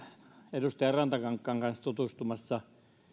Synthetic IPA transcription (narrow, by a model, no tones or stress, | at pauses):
edust̪ɑjɑrɑnt̪ɑkɑŋkːɑŋkɑnst̪ut̪ust̪umɑsːɑ